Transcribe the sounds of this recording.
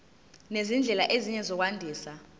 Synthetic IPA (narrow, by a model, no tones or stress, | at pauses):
nezind͡ɮʱɛlaʔeziɲɛzɔk̬wandʱiːsa